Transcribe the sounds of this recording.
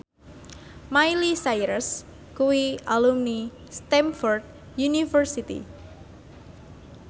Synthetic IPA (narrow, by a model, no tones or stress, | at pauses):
majlisajɾəs | kuwialumni | st̪ɛmfɔrd̪̚ | junifərsit̪ḭ